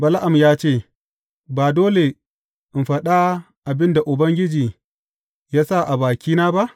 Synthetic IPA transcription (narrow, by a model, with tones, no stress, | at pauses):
bɐ˨la˦ʔa˨mjaː˦t͡ʃeː˦˨ | baː˨doː˦le˨ | ʔɪ˨mɸɐ˦ɗa˦ | ʔa˨bɪ˦nda˨ʔʊ˨bɐ˦ŋɡʲɪ˦d͡ʒiː˨ | jaː˦sa˦˨ʔa˨baː˨kʲiː˦naː˦ba˦ʔ